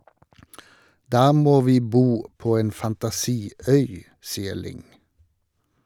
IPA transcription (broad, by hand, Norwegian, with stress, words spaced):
ˈdɑː ˈmoː ˈʋiː ˈbuː ˈpoː ˈeːn fɑntɑˈsiː ˈœʏ ˈsiːə ˈɭɪŋ